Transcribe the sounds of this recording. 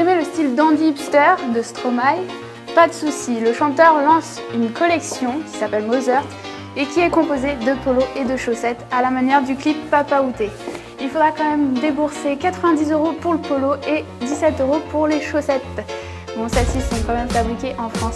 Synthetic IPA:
ɛmeləst̪ild̪ɑ̃d̪ipst̪œʁd̪əst̪χɔmaj | pad̪əsusiləʃɑ̃t̪œʁlɑ̃s | ynkɔlɛksjɔ̃kʲi̥sapɛlmozœʁt̪ | ekʲiɛkɔ̃pozed̪əpoloʔed̪əʃosɛt̪alamanjɛʁd̪yklipːapaut̪e | ilfod̪ʁakɑ̃mɛmd̪ebuʁsekat̪χəvɛ̃d̪izøʁopuʁləpoloe | d̪isɛt̪øʁopuʁleʃosɛt̪ | bɔ̃sɛsisɔ̃kɑ̃mɛmfabʁikʲeʔɑ̃fχɑ̃s

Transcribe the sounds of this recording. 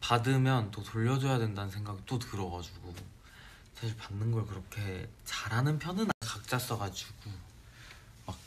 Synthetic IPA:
padɯmjʌnt͈otoʎːʌd͡ʑojadwendanɯnsʰeŋɡaɡit͈otɯɾʌɡad͡ʑuɡo | sʰaɕʰiɭpanːɯnɡʌɭkɯɾʌkʰe̞t͡ɕaɾɦanɯnpʰjʌnɯnaɭkak̚t͡ɕ͈as͈ʌɡad͡ʑuɡ̥u | mak̚

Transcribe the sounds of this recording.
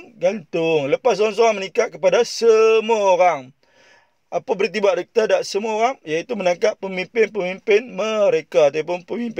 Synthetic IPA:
ɡant̪ʊŋləpasoɾaŋs̬oɾaŋmənikat̪̚kəpadasəmuaoɾaŋ | ʔapabərt̪̬ibaʔdək̚t̪adaʔsəmuaoɾaŋjait̪umənãŋkapːəmimpɪnpəmimpɪnməɾekaːt̪apʊnpəmimp

